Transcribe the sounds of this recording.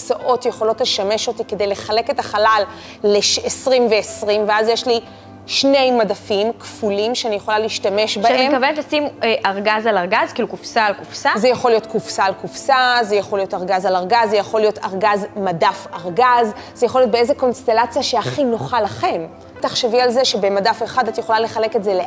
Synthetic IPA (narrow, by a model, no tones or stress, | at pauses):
saʔo̞tjeχo̞lo̞tle̞ʃame̞ʃo̞tike̞de̞jle̞χale̞ke̞taχalalː | eʃesʁimveːsʁimveazjeʃli | ʃne̞jmadafimkfulimʃeanijeχo̞laliːʃtame̞ʃbaaemkavenetlasimeʔaʁɡazalaʁɡazkiːlukufsaːlkufsazejaχo̞lijo̞tkufsaːlkufsazejaχolijotaʁɡazalaʁɡazːejaχo̞lijo̞tʰaʁɡazmadafaʁɡazzejaχolijot̚beezeko̞nste̞lat͡sjaʃeaχino̞χalaχe̞m | taχʃevialze̞ʃebe̞madafeχadatjeχo̞lale̞χale̞ketze̞le